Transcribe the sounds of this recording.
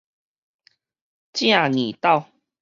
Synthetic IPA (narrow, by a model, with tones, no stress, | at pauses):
t͡ɕjã˥˧˨ŋĩ˨˩t̪a˥˧w